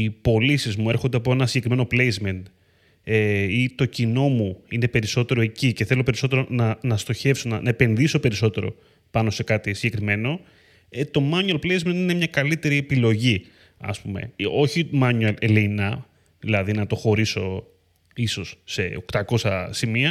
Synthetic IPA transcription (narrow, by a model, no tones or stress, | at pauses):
ipo̞lisizmue̞ɾxo̞nd̪eɐpoe̞nɐsiɟe̞kɾime̞nople̞jzme̞nt̪ | eit̪o̞cino̞muine̞pe̞ɾiso̞t̪e̞ɾo̞e̞cice̞θe̞lo̞pe̞ɾiso̞t̪e̞ɾo̞nɐnɐst̪o̞çe̞fso̞nɐnʔɐepe̞nðiso̞pe̞ɾiso̞t̪e̞ɾo̞̰ | pɐno̞se̞kɐt̪isiɲɟe̞kɾime̞no̞ | et̪o̞mɐnuɐlplejzment̪ine̞mɲɐkɐlit̪e̞ɾiepilo̞ʝi | ɐ̰spume̞̰o̞çimɐnuleleinɐ | ðilɐðinɐt̪o̞xo̞ɾiso̞ | iso̞sːe̞̰o̞kt̪ɐko̞sɐsimiɐ